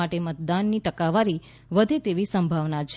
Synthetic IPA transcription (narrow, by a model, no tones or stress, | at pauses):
aʈemət̪̚d̪anːiʈəkaʋaɾi | ʋəd̪ʱet̪eʋisəmbʱaʋnat͡ʃʰ